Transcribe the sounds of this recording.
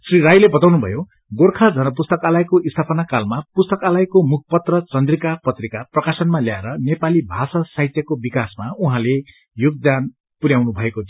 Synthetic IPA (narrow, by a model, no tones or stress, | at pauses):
sriɾajlebʌt̪awnubʱʌ̰jo | ɡorkʰad͡zʱʌnʌpust̪ʌkalajkoist̪ʰapʌnakalmapust̪ʌkalajkomuk̚ʰpʌt̪rʌt͡sʌnd̪rikapʌt̪rikaprʌkasʌnmaljaeɾʌnepalibʱasʌsait̪jʌkobikasmauɦãle | joɡ̚d̪an | puɾjawnubʱʌeko